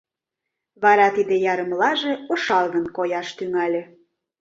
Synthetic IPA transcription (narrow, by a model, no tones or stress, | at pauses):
βɑɾɑt̪id̪ejɑɾə̆mlɑʒeoʃɑlˠɣənkojɑʃt̪yŋɑlʲĕ